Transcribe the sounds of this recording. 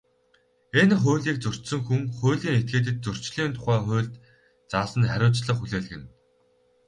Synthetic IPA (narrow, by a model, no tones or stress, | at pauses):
enχʊːɮiːk̚t͡sɵr̥t͡ɕsɵ̆ŋxuŋχʊ̟ːɮiːŋet̪̚ɡeːt̪̬ɘ̆t̪̚t͡sɵr̥t͡ɕɮiːnt̪ʰʊ̥χæːχʊ̟ːɮt̪ | t͡saːsə̆nχæɾʲʊːt͡ɕɮə̆χxuɮeːɮ̆ɣɘ̆n